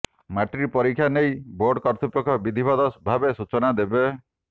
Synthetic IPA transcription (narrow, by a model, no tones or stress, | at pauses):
maʈɾipɔɾikʰːjanejboɾɖkɔɾt̪ʰupɔkʰɔbid̪ʱibɔd̪ɔsbʱabesut͡ʃɔnad̪ebe